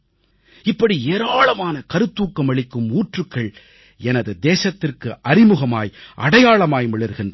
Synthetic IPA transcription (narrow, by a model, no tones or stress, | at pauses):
ɪpːɐɽieːɾaːɭɐmaːnɐkɐɾɯt̪ːuːkːɐmɐɭɪkːɯmuːʈrɯkːɐɭ | ɛnɐðɯd̪eːsɐt̪ːɪrkɯʔɐɾɪmɯɣɐma̰ːjʔɐ̰ɽɐjaːɭɐmaːjmɪɭɪɾɣɪndrɐ